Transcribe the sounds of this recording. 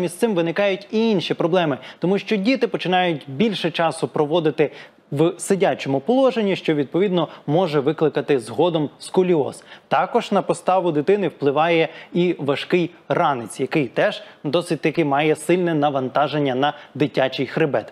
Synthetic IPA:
mʲisʲt̪ɪmʋɪnɪkɑjʊtʲiinʃipɾɔblˠɛmɪt̪ɔmuʃt͡ʃɔdʲit̪ɪpɔt͡ʃɪnɑjʊt̚ʲbʲilʲʃɛt͡ʃɑsʊpɾɔʋɔd̪ɪt̪ɪ | ʋsɪdʲat͡ʃɔmʊpɔlˠɔʒenʲːiʃt͡ʃɔʋʲid̪̚pɔʋʲid̪nɔmɔʒɛʋɪklˠɪkɐt̪ɪzɦɔd̪ɔmskʊlʲiɔ̰st̪ɑkɔʒnɐpɔst̪ɑʋʊd̪ɪt̪ɪnɪwplˠɪʋɑjɛiʋɐʃkɪj | rɑnɪt͡sʲjɐkɪjt̪ɛʒ̥d̪ɔsɪt̚ʲt̪ɐkɪmɑjɛsɪlʲnɛnɐʋɐnt̪ɑʒenʲːɐnɐd̪ɪtʲːat͡ʃɪjxɾɪbɛt̪

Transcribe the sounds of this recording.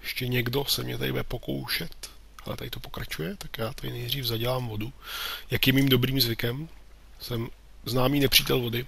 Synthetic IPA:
jɛʃcɛɲɛɡdo̞sɛmɲɛt̪adɪbudɛpo̞ko̞̰wʃɛt̪ | hɛlɛ̰t̪a̰dɪt̪opokɾat͡ʃujɛt̪akjaːt̪adɪnɛjd̪r̝iːfzaɟɛlaːmvo̞dujakjiɛmimdo̞bɾiːmzvɪkɛm | sɛm | znaːmiːnɛpr̝̥iːt̪ɛlvo̞dɪ

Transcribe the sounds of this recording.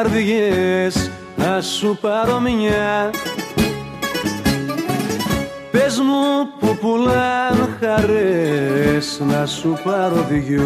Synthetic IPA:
ɾðiʝes | nasupɐɾomiɲa | pezmupupulanxaɾe | snɐsupɐɾoðiʝu

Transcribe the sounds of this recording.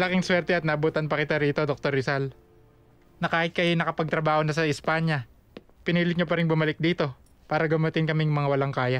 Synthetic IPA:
lɐkɪŋswɛɾt̪ɛɐt̪nɐʔɐbuːt̪ɐnpɐkɪt̪aɾiːt̪o̞d̪ok̚t̪oɾɪsal | nɐkaːhɪt̪̚kɐjnɐkɐpɐɡ̚t̪ɾɐbaːho̞nɐsɐɪspaːɲɐ | pɪniːlɪk̪̚ɲopɐɾɪŋbʊmɐlɪk̚d̪iːt̪o̞ | paːɾɐɡɐmot̪ɪŋkɐmɪjʊmɐŋawɐlaŋkaːjɐ

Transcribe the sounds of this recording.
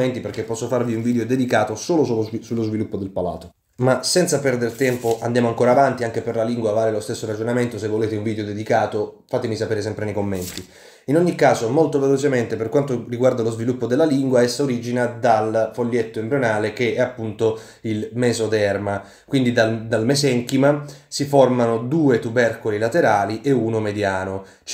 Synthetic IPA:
ent̪iperkepːɔsːofarviuɱvid̪eod̪ed̪ikaːt̪osoːlosusulːozvilupːod̪elpala̰ːt̪o | masɛnt̪sapɛrd̪ert̪ɛmpoʔand̪jamoaŋkoːɾaːvant̪iaŋk̟eperlaliŋɡwavaːɾelost̪esːoɾad͡ʒonament̪os̬evːoleːt̪euɱvid̪eod̪ed̪ikaːt̪ofat̪emisapeːɾes̬ɛmpɾenekomːɛnt̪i | inoɲːikːaːzomolt̪ovelot͡ʃement̪eperkwant̪oriɡward̪alozvilupːod̪elːaliŋɡwaɛsːaoɾiːd͡ʒinad̪alfolːjet̪ːoembɾjonaːlek̟eɛapːunt̪o | ilmeːzod̪ɛrma | kwind̪id̪ald̪almezɛŋkimasiformanod̪uːet̪ubɛrkulilat̪eɾaːliʔeuːnomed̪jaːno

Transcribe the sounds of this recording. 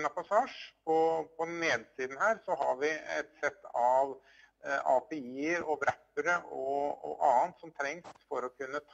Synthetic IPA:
nɑpɑsɑːʂpʰɔpʰɔneːd̪siːd̪n̩hæːɾsɔɦɑɾʋɪɛ̰t̪sɛt̪ːɑʋ | ɑːpeiːəɾɔbɾæpːəɾəɔɔ̰ʔɑːənt̪sɔmt̪ʰɾɛŋsfɔɾɔkʰʉnːət̪ʰ

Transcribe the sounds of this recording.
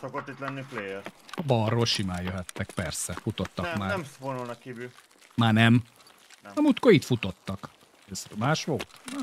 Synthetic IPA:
sokot̪ːit̪lɛnːiplejɛrɒbɒrːolʃimaːjøɦɛt̪ːɛkpɛrsɛfut̪ot̪ːɒkmaːɛmfonulnɒkkiːvy | maːnɛm | ɒmut̪koit̪fut̪ot̪ːɒk | eːsmaːʃʋolt̪

